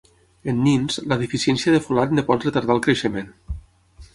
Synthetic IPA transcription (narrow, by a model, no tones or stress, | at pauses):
ənːinzləðifisjɛnsiaðefulat̪nepɔt̪rət̪aɾðalˠkɾeʃəmen